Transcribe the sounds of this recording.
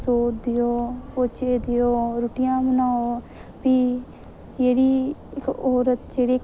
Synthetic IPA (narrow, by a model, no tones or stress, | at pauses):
soːd̪ɪjoːpoːt͡ʃeːd̪ɪjoːɾuʈɪjãːmənaːo | piː | jeːɽiːkoːɾət̪d͡ʒeːɽiːk